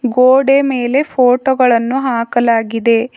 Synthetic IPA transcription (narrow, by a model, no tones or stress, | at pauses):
ɡoːɽemeːle̞pʰoːʈoɡɐɭɐnːuɦaːkɐlaːɡid̪e̞